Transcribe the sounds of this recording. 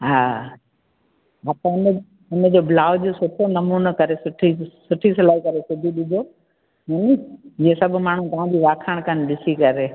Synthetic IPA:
ɦaː | at̪ãɪn | ʊnəd͡ʑoːbʱlaːʋd͡ʑosʊʈʰonɐmuːnəkɐɾesʊʈʰisʊʈʰisɪlaːɦikɐɾesʊb̪ʱiɗɪd͡ʒ̪ʱoː | ɦɐnid͡ʑiesɐbʱmaːɳ̤ũt̪ɐʋãdiːʋaːkʰaɽ̃kənɗɪsikɐɾeː

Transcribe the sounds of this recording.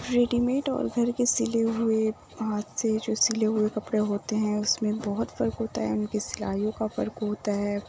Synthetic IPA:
ɾeːɖimẽːʈɔ̰ːɾɡʱɐɾkesileɦʊe | ɦaːt̪ʰsed͡ʒoːsileɦʊekɐpɽeɦoːt̪eɦɛ̃ʊsmẽbɔɦʊt̪fɐɾkɦoːt̪a̰ɦɛ̰ʊnkesɪla̰ːjõkafɐ̰ɾkɦoːt̪aɦɛː

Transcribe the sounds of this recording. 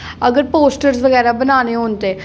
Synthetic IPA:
əɡəɾpoːsʈəɾsʋəɣɛːɾabənaːneɦõːnt̪eː

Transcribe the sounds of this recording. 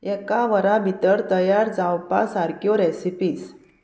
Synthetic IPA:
ɛkaʋəɾabʱit̪əɾt̪əjaɾd͡zãwpa̰saɾkjɔɾɛsipiːs

